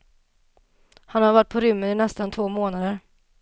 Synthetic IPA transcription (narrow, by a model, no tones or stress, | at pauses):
hanhaɾvaʈ̚ːpʰɔɾʏmːənɪnɛst̪ant̪ʰvoːmoːnad̪əɾ